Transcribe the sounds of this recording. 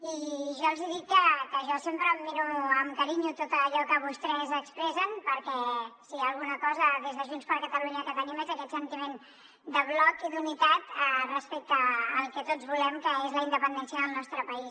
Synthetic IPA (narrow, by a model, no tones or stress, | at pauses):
iʒɔlˠziðikːəkəʒɔsempɾəːd̪miɾuəmkəɾiɲut̪ot̪əːʎɔkəβ̞ust̪ɾɛzəkspɾɛsənpəɾkɛsiaəlˠɣunəkɔzəðezðəʒunspəɾkət̪əluɲəkət̪ənimezəkɛt̪sənt̪imen | d̪əβ̞lɔkiðunit̪at̪ərəspek̚t̪əːlˠkɛt̪od͡zβulɛmkəezləinəpənd̪ɛnsiəðəlˠnɔst̪ɾəpəis